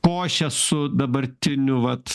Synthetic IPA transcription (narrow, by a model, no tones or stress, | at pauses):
koːʃʲɛsʊd̪ɐbɐɾʲt̪ʲɪnʲʊʋɐt̪